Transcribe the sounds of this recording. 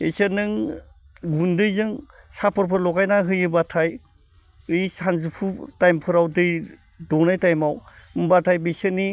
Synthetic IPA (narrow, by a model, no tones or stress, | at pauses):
esɯnɯŋ | ɡundɯjzɯŋ | sapʰɯɾpʰɯɾlɔɡajnaɦɯjɯbatʰaj | ɯjsanzupʰutajmpʰɯɾawdɯj | dɔnajtajmawmbatʰajbisɯni